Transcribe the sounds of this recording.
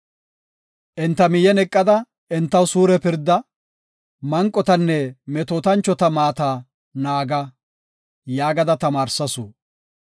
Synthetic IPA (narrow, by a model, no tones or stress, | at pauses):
ʔɪnt̪ːɐmɪjɛnɛkʼːɐd̪ɐ | ʔɪnt̪ːɐwsuːɾɛpɪɾd̪ɐ | mɐŋkʼːɔt̪ɐnːɛmɛt̪oːt̪ɐnt͡ʃːɔt̪ɐmaːt̪aː | naːɡɐ | jaːɡɐd̪ɐt̪ɐmaːɾsɐsu